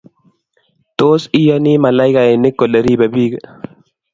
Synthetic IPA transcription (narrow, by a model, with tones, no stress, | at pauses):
t̪oː˦si˦janiːmɐ˨la˦jka˨e˨nɪ˦kːo˨lɐ˨ɾiː˦bɐ˨biː˦ɡ